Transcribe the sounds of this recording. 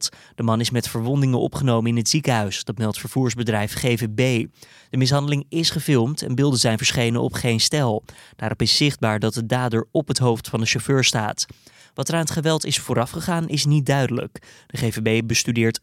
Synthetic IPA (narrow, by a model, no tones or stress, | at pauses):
td̥əmɑnɪsmɛtfəɹʋɔndɪŋənʔɔ̰pχənowməɪnɦətsikəɦœɥsd̥ɑtmɛlˠtfəɹv̥uːɹzbədrɛjfχejvebej | d̥əmɪs̬ɦɑndəlɪŋɪsχəvɪlˠmtɛ̰nbɪlˠdəzɛjnvəɹsχejnənɔ̰pχejnstɛlˠd̥aːɾʔɔpɪsːɪχd̚baːɹdɑt̚dədaːdəɹɔpɦətɦowftfɑndəʃoføːɹsta̰ːt | ʋɑtəɹaːnətχəʋɛlˠtɪsfʊːɾɑfχəχaːnʔɪsnit̚dœɥdələ̰kd̥əχeːvebejbəstydɪːɹt